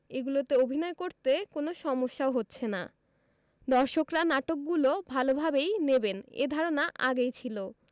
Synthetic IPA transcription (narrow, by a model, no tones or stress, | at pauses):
eɡulot̪eobʱinɔekoɾt̪ekonoʃɔmoʃːaoɦotːɕʰena̰ | d̪ɔɾʃokɾanaʈok̚ɡulobʱalobʱabejnebenḛd̪ʱɔɾonaʔa̰ɡejt͡ɕʰilo